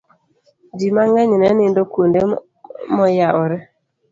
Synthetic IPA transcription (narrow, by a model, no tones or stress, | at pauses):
d͡ʒimaŋaɲinɛnɪndokonde | mɔjaɔɾɛ